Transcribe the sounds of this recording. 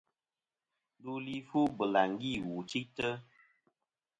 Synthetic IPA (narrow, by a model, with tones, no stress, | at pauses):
n˦du˦li˦fu˦bə˨la˨ŋ˦ɡi˦˨wu˨t͡ʃi˦tə˦